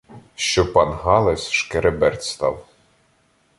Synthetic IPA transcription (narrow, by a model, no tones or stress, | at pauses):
ʃt͡ʃɔpɑnɦɑlˠɛsʲʃkeɾebɛrt̪ʲst̪ɑ̰w